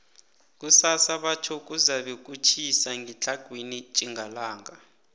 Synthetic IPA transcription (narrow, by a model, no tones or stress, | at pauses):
k̬ʼusasaɓat͡ʃʰɔk̬uzaɓɛk̬ʼut͡ʃʰisaŋʱɛt͡ɬʰaɡ̥ʱwinit͡ʃʼiŋɡalaːŋa